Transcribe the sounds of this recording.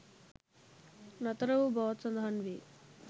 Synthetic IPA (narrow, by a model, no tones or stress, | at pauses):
nɐt̪ɐɾɐʋubɔːt̪sɐnd̪ʱaːnʋi